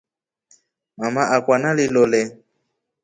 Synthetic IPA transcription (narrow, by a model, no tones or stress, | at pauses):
mamaʔakwanalilolɛ